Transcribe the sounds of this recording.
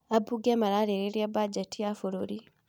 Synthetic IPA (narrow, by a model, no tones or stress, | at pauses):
abuɡemaɾaɾeɾeɾjabad͡ʒatijafoɾoɾi